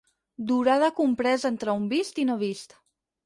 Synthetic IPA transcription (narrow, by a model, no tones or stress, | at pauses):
d̪uɾaðəkumpɾɛzent̪ɾəumbist̪inoβist̪